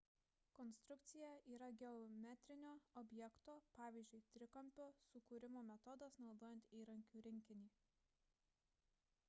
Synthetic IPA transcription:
kɔnst̪ɾʊkt̪sʲɪjɛʔiːɾɐɡʲɛɔmʲɛt̪ʲɾʲɪnʲoːɔbʲjɛkt̪oːpɑːʋʲiːˑzʲd͡ʒʲʊɪt̪ʲɾʲɪkɐmʲpʲoːsʊkuːɾʲɪmoːmʲɛt̪ɔd̪ɐsnɒʊd̪oːjɛnt̪iːɾɐŋʲkʲuːɾʲɪŋʲkʲɪnʲiː

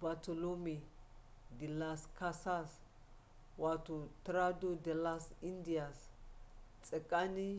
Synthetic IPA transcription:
bat̪ɔlomɛ | d̪ɪlːaːskɐsas | waːt̪ʊt̪ɾad̪ʊd̪ɛlːasɪnd̪ɪjas | t͡sʼɛkʼːanɪ

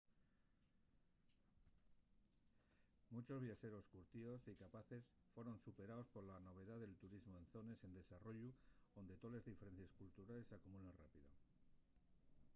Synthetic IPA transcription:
mut͡ʃo̞zβjaʃe̞ɾo̞skuɾt̪io̞sikapaθe̞s | fwe̞ɾo̞nsupe̞ɾaospo̞ɾlano̞β̞e̞ðaðe̞lt̪uɾizmoenθo̞ne̞se̞nd̪e̞saro̞ʝuond̪e̞t̪o̞le̞zðife̞ɾe̞n̟θjeskult̪uɾale̞sakumulenrapiðo̰

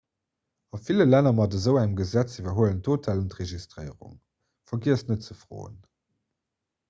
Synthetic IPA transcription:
ɑfiləlænɐmɑdəzəʊæŋəmɡəzæt͡sivɐɦoələntʰoːtʰaːluntʁeʒistʁəɪəʁʊ̰ŋ | fɐɡiəstnət̚t͡səfʁo̰ːə̰n

